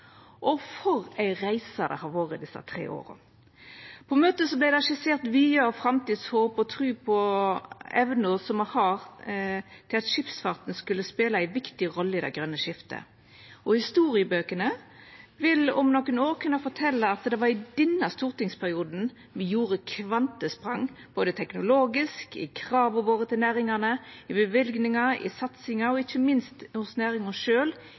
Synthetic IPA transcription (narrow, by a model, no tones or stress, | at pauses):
ʔɔfɔʁæɪʁæɪsɑd̪ɛ̰hɑʁʋoːʁəd̪ɪsːɑ̰t̪ʰʁḛːʔo̰ːʁ | pʰɔmøːt̪əsɔblæɪd̪ɛɑʃɪseːʁt̪ʋiːɑɔfʁɑmt̪iːd̪shoːpɔt̪ʰʁʉːpʰɔ | ɛʋənʊʁsɔmɔhɑʁ | t̪ʰɪlɑt̪ʃɪpsfɑʁt̪nskʉlːəspeːləæɪʋɪkt̪ɪʁɔlːəɪd̪æɪɡʁœnːəʃɪft̪ə̰ | ɔhɪst̪uːʁɪəbøːkənəʋɪlɔ̰mnɔkːənoːʁkʰʉnɑfɔʈʰɛlːəɑt̪d̪ɛʋɑɾɪd̪ɛnːɑst̪uːʁt̪ɪŋspʰæʁɪuːd̪n̩ | ʋɪjuːʁəkʰʋɑnt̪əspʁɑŋb̥oːd̪ət̪ʰɛknʊloːɡɪskɪ̰kʰʁɑːʋɔʋoːʁət̪ʰɪlnæːɾɪŋɑnəɪbəʋɪlɡnɪŋɑɪ̰sɑt̪sɪŋɑɔɪçəmɪnst̪hʊsnæːɾɪŋɔʂøːl